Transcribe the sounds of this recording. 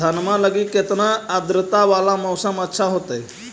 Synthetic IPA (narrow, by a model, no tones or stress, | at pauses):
anmãləɡiket̪naːd̪ɾət̪aʋalaməwsəmətːɕʰaɦot̪əj